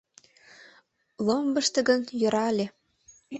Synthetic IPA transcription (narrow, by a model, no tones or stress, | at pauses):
lˠombɤ̆ʃt̪ə̆ɡə̆njɤ̆ɾɑlʲe